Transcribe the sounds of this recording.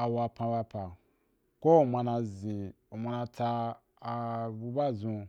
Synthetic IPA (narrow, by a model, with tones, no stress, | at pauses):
a˨wa˧pã˧ba˧pa˨ | ko˦o˨mã˧nã˧zĩ˨ | o˨mã˧nã˧ta˧ | a˨bu˧ba˦˨zũ˧